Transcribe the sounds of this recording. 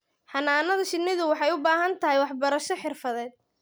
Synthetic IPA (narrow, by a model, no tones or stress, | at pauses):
ħɑnaːnɐðɐʃɪnːɪðʊwɑħɑjʊbaːɦɐnt̪ʰɐɦɛjwɑħbɐɾɐʃɔħɪrfɐðɛːd̪̚